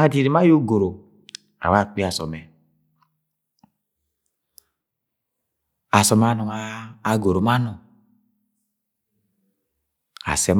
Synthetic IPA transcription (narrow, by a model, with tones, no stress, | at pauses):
a˦˨di˦˨ɾi˨ma˦jo˦ɡo˨ɾo˨ | a̰˨wa˦˨k͡pi˦a˨sɔ̰˨mɛ˨ | a˨sɔ˨m˨a˦nɔ˨ŋaː˦˨ɡo˨ɾo˨ma˦nɔ˨ŋ | a̰˨sɛ˨m